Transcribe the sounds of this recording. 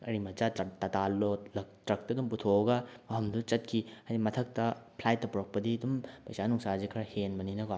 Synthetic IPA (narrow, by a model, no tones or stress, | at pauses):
ɐɾimɐt͡ʃatɐtalːolɐk̚tɾɐk̚tɐdumputʰoɡɐɐɦɐmdut͡ʃɐt̚kʰihajdimɐtʰɐk̚tɐpʰlajtːɐpuɾok̚pɐdidumpɐjsanuŋsazikʰɐɾɐhenmɐninɐɡo